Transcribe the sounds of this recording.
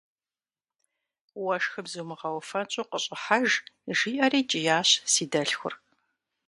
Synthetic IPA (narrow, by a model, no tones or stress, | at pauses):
wɐʃxɨbzumɨʁɐwfɐnt͡ʃʼoːqəɕʼɪħaʒʒiːʔɐriːt͡ʃʼɪjaːɕsiːdɐɬxʷʊ̰r